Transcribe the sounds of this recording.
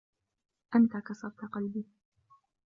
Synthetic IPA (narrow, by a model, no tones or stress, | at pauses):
ʔant̪akɑsɑɾˤt̪aqɑlbiː